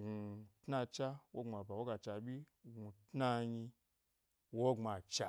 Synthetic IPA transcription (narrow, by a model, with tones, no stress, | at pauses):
ɡu˧tna˧t͡ʃa˦wo˦ŋ͡ma˨ba˨wo˦ɡa˧t͡ʃa˧bʲi˦ | ɡu˧tna˦˧ɲi˧ | wo˦ŋ͡ma˨t͡ʃa˨